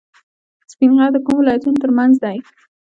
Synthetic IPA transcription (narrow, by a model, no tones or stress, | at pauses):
spinɣɑd̪əkumwɪlɑjat̪unot̪əɾmanzd̪aj